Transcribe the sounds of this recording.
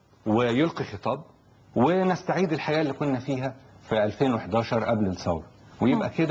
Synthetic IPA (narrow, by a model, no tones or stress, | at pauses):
wɪjolqixet̪ˤɑːb̚ | wenest̪aʕiːd̪elħajæːʔlːiːkonːæfiːɦæfiʔælfeːnweħed̪ɑːʃɑɾˤʔæblesˤɑ̰wɾ | wejebʔæked̪æ